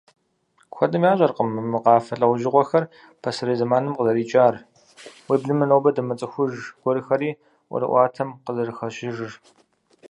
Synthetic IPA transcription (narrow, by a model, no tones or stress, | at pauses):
xʷɔdɨmjaːɕʷʼɐrqəmɨmɨqɑːfɐɬʼɐwʷʊʒɪqʷɔxɐr | pʰɐsɨɾiːzɐmaːnɨmqəzɐɾiːt͡ʃʼaːr | wiːbɮɨmɨnowbɐdɐmɐt͡sʼɨxʷʊʒɡ̥ʷɔɾɨxɐɾiː | ʔʷɔ̰ɾɨ̰ʔʷɑːtʰɐmqəzɐrɨxɐɕɪʒɨr